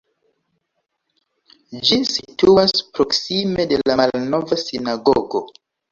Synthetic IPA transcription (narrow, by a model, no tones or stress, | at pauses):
d͡ʒisituaspɾo̞ksime̞de̞laalno̞vasinaɡoɡo̞